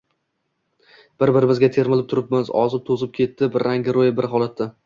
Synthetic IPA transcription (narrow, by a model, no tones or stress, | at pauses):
b̥ɪɾbɪɾɪmɪzɡʲat̪ʰe̞ɾmɪlɪp̚t̪ʰʊɾɪp̚mɪzɒzɪp̚t̪ʰozɪp̚kʲʰe̞t̪ʰːɪbɾːaŋɡʲɪɾojɪbɪɾɦɒlˠat̪ʰːa